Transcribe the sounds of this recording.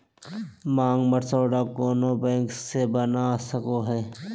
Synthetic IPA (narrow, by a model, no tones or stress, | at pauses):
maːŋɡməʈsoːɖakoːnobɛ̃ːŋksebənasəkoɦɛː